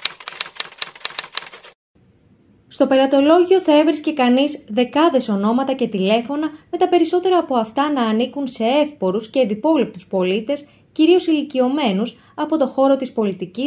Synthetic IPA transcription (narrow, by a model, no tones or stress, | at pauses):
st̪o̞pe̞ɾɐt̪o̞lo̞ʝio̞θɐe̞vɾisce̞kɐnizðe̞kɐðe̞so̞no̞mɐt̪ɐce̞t̪ile̞fo̞nɐme̞t̪ɐpe̞ɾiso̞t̪e̞ɾɐːpo̞ɐft̪ɐnɐːnikunse̞e̞fpo̞ɾusce̞ːnd̪ipo̞lip̚t̪uspo̞lit̪e̞s | ciɾio̞silicio̞me̞nus | ɐpo̞t̪o̞xo̞ɾo̞t̪ispo̞lit̪icis